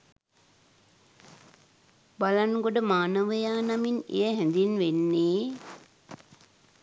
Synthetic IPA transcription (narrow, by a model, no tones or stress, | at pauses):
balanɡoɖəmaːnəʋəjaːnaminḛjəɦɛnd̪inʋenːeː